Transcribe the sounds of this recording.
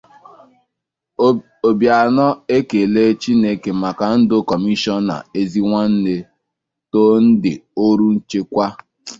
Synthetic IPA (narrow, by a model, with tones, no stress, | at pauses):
o˨bja˨nɔ˦e˦ke˨le˦t͡ʃi˦ne˦ke˨ma˨ka˨n̩˦dʊ˦kɔ˨mi˦ʃɔ˦na̰˨e˦zi˦ŋʷa˦n̩˦ne˦ | to˦n̩˦dɪ˨o˦ɾu˦n̩˦t͡ʃe˦kʷa˦